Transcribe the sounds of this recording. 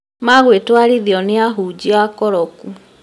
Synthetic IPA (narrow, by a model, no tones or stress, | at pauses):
maɣwetwaɾiðiɔneaɦuːd͡ʑiakɔɾɔku